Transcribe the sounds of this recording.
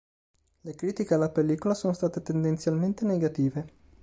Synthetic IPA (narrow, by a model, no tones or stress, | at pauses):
lekɾiːt̪ikealːapelːiːkolasoːnost̪aːt̪et̪end̪ent̪sjalment̪eneɡat̪iːve